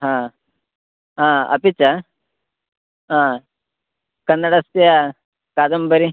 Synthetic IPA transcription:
ɦãː | ɦãːɐ̰pit͡ʃa | ɦã | kɐnːɐɽast̪ija | kaːd̪ɐmbɐɾi

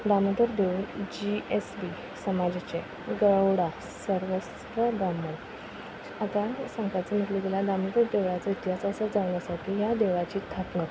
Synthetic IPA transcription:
d̪amənt̪əɾd̪eʋuːnd͡ʑiesbi | səmad͡ʑt͡ɕe | ɡəɭəwɽa | səɾʋəs | tʋəd̪amən | at̪asãŋkat͡səm̤əʈ̪lik̪elad̪amənt̪əɾd̪eʋɭat͡səit̪jasasad͡zaʋ̃nasaʈʰijad̪eʋat͡ɕiːt̪ʰaknə

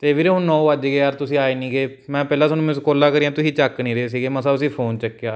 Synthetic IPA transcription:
t̪eːʋiːɾeɦʊ̃nːɔ̃ːʋəd͡ʒɡeːəɾt̪ʊsĩːaːeːnĩːɡeː | mɛ̃ːpɛːlãːsənũːẽskoːlaːkəɾiːãːt̪ʊsĩːt͡ʃəknĩːɾeeːs̬iːɡeːməsbəsĩːpʰoːnt͡ʃəkːeaː

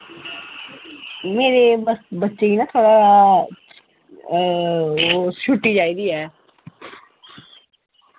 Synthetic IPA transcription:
meːɾebəsbətːʃeːiːnãːt̪ʰoːɽaa | sʊʈːiːd͡ʒaːid̪iːɦɛː

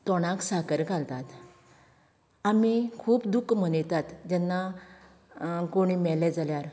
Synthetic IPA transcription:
t̪ɔɽ̃aksakəɾkalt̪at̪ | amikʰuːpd̪ukːmənəjt̪at̪d͡ʑɛnːa | koɽ̃imɛlɛd͡zaljaɾ

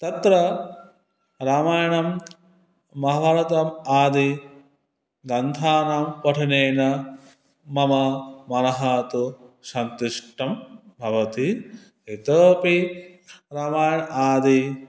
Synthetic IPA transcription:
t̪ɐt̪ɾɐ | ɾaːmaːjɐɳɐm | mɐɦɐbʱɐɾɐt̪ɐmaːd̪i | ɡɐnt̪ʰaːnaːmpɐʈʰineːnɐ | mɐmɐmɐnɐɦat̪uʃɐnt̪iʂʈɐmbʱɐʋɐt̪i | it̪əːpi | ɾaːmaːjɐɳʔaːd̪i

